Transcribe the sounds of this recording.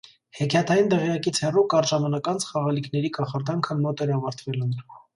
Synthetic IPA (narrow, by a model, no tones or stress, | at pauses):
hɛkʰjɑt̪ʰɑjind̪ɛʁjɑkit͡sʰhɛrukɑɾʒɑmɑnɑkɑnt͡sʰχɑʁɑlikʰnɛɾikɑχɑɾd̪ɑŋkʰənmɔt̪ɛɾɑvɑɾt̪ʰvɛlənɾ